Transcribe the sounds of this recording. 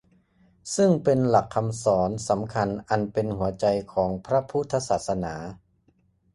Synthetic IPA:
sɯ˥˩ŋpe˧nla˨˩kʰːa˧msɔː˩˦nsa˩˦mkʰa˧nʔa˧npe˧nhu˩˦ɐt͡ɕa˧jkʰɔː˩˦ŋpʰɾa˦˥pʰu˦˥t̪ʰːa˧saː˨˩t̪̚sa˧naː˩˦

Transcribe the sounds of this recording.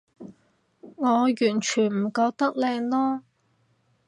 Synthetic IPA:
ŋɔː˨˧jyː˨˩nt͡ʃʰyː˨˩nm̩˨˩kɔː˧k̚t̪ɐ˥k̚lɛː˧ŋlɔː˥

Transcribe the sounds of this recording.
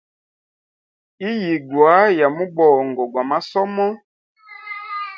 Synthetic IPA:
i˦ji˨ɡwa˨˦ja˨mu˦bɔ˨ŋɡɔ˨ɡwa˨ma˦sɔ˦mɔ˦

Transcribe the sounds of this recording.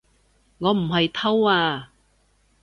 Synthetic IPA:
ŋɔː˨˧m̩˨˩ɦɐ˨jt̪ʰɐ˥waː˧

